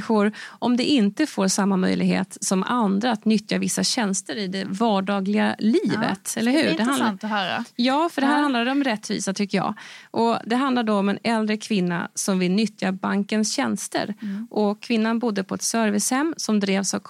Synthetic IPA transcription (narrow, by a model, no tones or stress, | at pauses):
ɧʊɾʔɔmd̪ɛʔɪnt̪əfoːɾʂamːamœ̰jlɪɡɦḛːt̪sɔma̰nd̪ɾaːt̪nʏt̪javɪsːaɕɛnst̪əɾɪd̪ɛvɑːɖɑːɡlɪɡaliːvə̰t̪ɛlːəɾɦʉ̟ːɖɛɦa̰ | jɑːfœɖɛɦæːɾhand̪lad̪ɛɔmɾɛt̪ːvḭːsat̪ʰʏkːəjɑ̰ːʔɔd̪ɛɦand̪laɖoɔmɛnɛld̪ɾəkʰvɪnːa̰sɔmvɪlnʏt̪jabaŋkənsɕɛnst̪ə̰ɾʔɔkʰvɪnːanbʊd̪ːəpʰɔɛt̪sœɾvɪshɛmːsɔmd̪ɾeːvsavkʰ